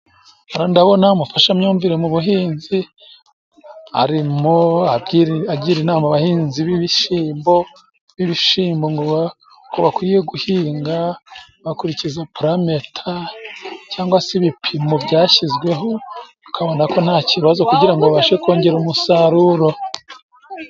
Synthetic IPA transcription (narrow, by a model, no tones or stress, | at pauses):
aɾondaβo̞naumufaʃamɲuːɱviɾe̞muβuɦiːnzi | a̰ɾimoaiɾaɟiːɾinaːmaβahiːnziβiβiʃiːmbo̞ | βiβiʃiːmbo̞ŋɡoβa | koβakwije̞ɡuhiːŋɡa | βakuɾicizapɾametʰa | caːŋɡwasiβipʰimovɟaːçizɡwe̞ɦo̞ | u̥kʰaβo̞nako̞n̥aːciβazokuɟiɾaŋɡoβaʃeko̞ːɲɟe̞ɾumusaɾuɾo̞